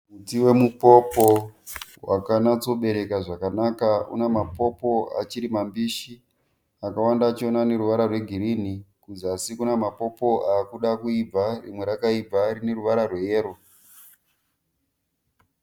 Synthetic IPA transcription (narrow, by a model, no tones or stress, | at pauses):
mutiwe̞mupo̞po̞wa̰kanat͡so̞ɓe̞ɾe̞kaʐakanakaṵnemapo̞po̞a̰t͡ʃiɾimambiːʃi | akawandaːt͡ʃio̞nane̞ɾuʋaɾarwe̞ɡʱiɾin̤ikud͡zasikunamapo̞po̞aːkuɗakuib͡varimwe̞ɾakaib͡vaɾine̞ɾuʋaɾarwejeːɾo